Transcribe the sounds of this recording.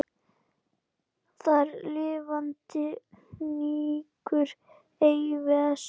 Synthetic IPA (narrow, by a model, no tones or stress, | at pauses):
θaɾlɪːvant̪ɪniːkʏɾ | ejvɛs